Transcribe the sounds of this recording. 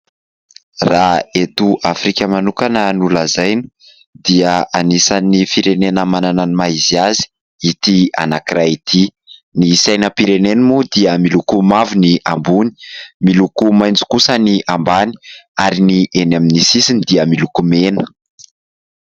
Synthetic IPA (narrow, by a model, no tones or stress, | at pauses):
raet̪uʔafɾikʲəmanukanənulazajni̥ | d̪iəanisanifiɾenenəmanananimaiziazi̥ | it̪ia̰nakirait̪ʰi | nisajnəpiɾenenimud̪iəmilukumavuniʔambuni̥milukumajnd͡zi̥kusəniʔambani̥aɾiniʔenaminisisinid̪iəmilukumenə̥